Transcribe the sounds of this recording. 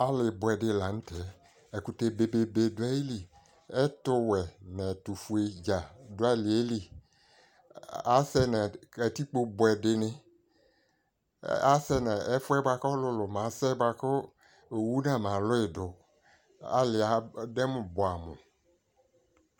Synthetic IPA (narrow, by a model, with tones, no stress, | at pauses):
a˦lɪ˨bʊ˨ɛ˨dɪ˧˨la˨n̩˦tʰɛ˨ | ɛ˨ku˨te˦be˨be˨be˨dʊ˨˦a˦i˦li˨ | ɛ˦tʊ˦wɛ˨nɛ˨tu˨fu˨e˨d͡ʒa˨dʊ˨˦a˦˨lɪ˨e˦li˨ | a˨˦sɛ˦na˨a˨ti˦k͡po˦bʊ˨ɛ˨dɪ˨nɪ̃˦ | a˦sɛ˦na˨ɛ˦fʊ˦ɛ˦bwa˧kɔ˦lʊ˧lʊ˨ma˨˦sɛ˦bwa˨kɔ˦ | o˨wu˦nã˦˨ma˨lʊ˦ɪ˨dʊ˨ | a̰˦lɪ˨a˨dɛ˦mʊ˨bʊ˨a˨mʊ̰˨